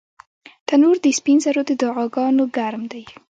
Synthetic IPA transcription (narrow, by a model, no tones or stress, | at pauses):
t̪anuɾd̪əspinzaɾod̪əd̪ɑʁɑɡɑnoɡaɾmd̪aj